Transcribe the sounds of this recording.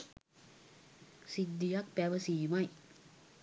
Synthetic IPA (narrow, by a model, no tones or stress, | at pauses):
sid̪ːijak̚pæʋəsiːmaj